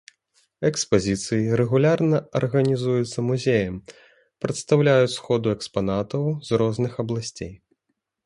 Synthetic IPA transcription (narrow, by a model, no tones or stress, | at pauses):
ɛkspazʲit̪sɨjiɾɛɣulʲarnɐɐ̰rɣɐnʲizujɛt̪sːɐmuzʲejɐm | pɾɐt̪st̪awlʲajut͡sʲsxɔd̪uɛkspanat̪ɐwzrɔznɨxɐblˠasʲt͡sʲej